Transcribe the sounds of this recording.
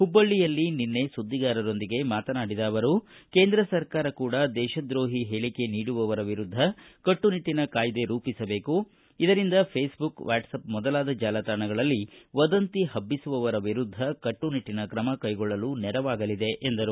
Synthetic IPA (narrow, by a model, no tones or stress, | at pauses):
hubːɐɭːijɐlːininːe̞sud̪ːiɡaːɾɐɾo̞nd̪iɡe̞maːt̪ɐnaːɽid̪aːʋɐɾuke̞ːnd̪ɾɐsɐɾkaːɾɐkuːɽɐd̪ɛːʃɐd̪ɾo̞ːɦiɦeːɭike̞niːɽuʋɐʋɐɾɐʋiɾud̪ʱːɐkɐʈːuniʈːinɐkaːjd̪e̞ɾuːpisɐbe̞ːku | id̪ɐɾind̪ɐpʰeːsbukʋa̰ːʈsɐpmɔd̪ɐlaːd̪ɐd͡ʒaːlɐt̪aːɳɐɡɐɭɐlːiʋɐd̪ɐnt̪iɦɐbːisuʋɐʋɐɾɐʋiɾud̪ʱːɐkɐʈːuniʈːinɐkɾɐmɐkɐjɡɔɭːɐlunɛɾɐʋaːɡɐlid̪e̞ʔːnd̪ɐɾu